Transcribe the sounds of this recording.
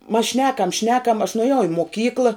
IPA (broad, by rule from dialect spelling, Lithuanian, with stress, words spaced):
mɐs ˈʃʲnʲæːkɐm ˈʃʲnʲæːkɐm ɐʃ nʊɐˈjɛʊ ɪ moːˈkʲiːklˠɐ